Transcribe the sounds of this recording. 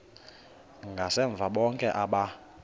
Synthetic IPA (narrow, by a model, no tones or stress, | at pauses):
ŋɡʱasɛɱb̪vʱaɓɔŋkʼɛʔaɓa